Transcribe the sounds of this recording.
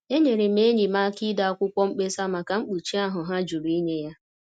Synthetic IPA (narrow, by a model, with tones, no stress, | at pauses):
e˦ɲe˨ɾɪ˨m̩e˦ɲi˨ma˦ki˦da˨a˨kʷʊ˦kʷɔ˦ŋ͡m̩˦k͡pe˦sa˦ma˨ka˨ŋ͡m̩˦k͡pu˨t͡ʃi˦a˦ɦʊ˨ɦa˦d͡ʒu˨ɾu˨i˦ɲe˦ja˦